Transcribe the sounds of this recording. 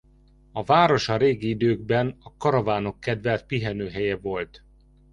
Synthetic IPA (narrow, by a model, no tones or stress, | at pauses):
ɒvaːɾo̞ʃɒɾeːɡiid̪øːɡ̚bɛnɒkɒɾɒvaːno̞kːɛd̪vɛlt̪̚piɦɛnøːɦɛjɛvo̞lt̪